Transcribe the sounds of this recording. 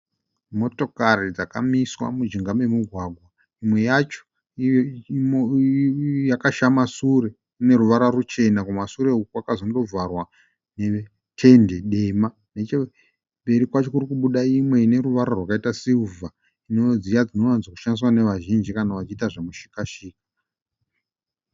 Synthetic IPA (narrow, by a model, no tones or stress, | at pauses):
mo̞to̞karid͡zaka̰miswa̰mud͡ʒiŋɡame̞muɡʱwaɡʱwa | imwe̞jat͡ʃo̥ | jakaʃamasuɾe̞ | une̞ɾuʋaɾarut͡ʃe̞nakumasuɾe̞ukwakazondo̞vʱarwa | ne̞ | tʰe̞nde̞ɗe̞ma | net͡ʃe | mbe̞ɾikwat͡ʃo̞kuɾikuɓuɗaimwe̞ine̞ɾuʋaɾarwakaitasiuvʱa | ino̞d͡zijad͡zino̞janzwaku̥ʃandiswane̞ʋaʒind͡ʒikanaʋat͡ʃitaʐamuʃi̥kaʃiːkḁ